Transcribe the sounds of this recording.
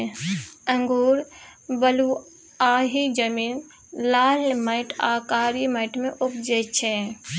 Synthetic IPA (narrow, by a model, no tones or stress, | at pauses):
ə̃ŋɡuːɾbəlu | aːɦid͡ʒəmiːn | laːlməɪʈʰaːkaːɾiməɪʈmẽʔʊpd͡ʒet͡ʃʰẽ